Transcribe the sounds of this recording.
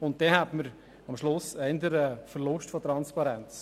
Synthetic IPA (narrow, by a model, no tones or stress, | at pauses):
ʊnt̚dɛhætməɾ | ɑmʃlʊsɛnd̪əɾəfəɾlʊʃtfotɾɑnspɑɾɛnt͡s